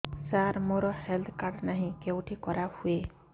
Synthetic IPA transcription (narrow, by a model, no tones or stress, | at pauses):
saɾmoɾɔhɛld̪kaɖnaɦĩkewʈʰikɔɾahue